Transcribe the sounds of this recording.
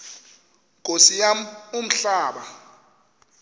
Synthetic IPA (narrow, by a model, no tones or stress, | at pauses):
kʼosijamum̩ɬaːɓa